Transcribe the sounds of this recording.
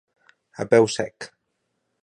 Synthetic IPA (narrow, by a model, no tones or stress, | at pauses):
a̰bɛwsɛk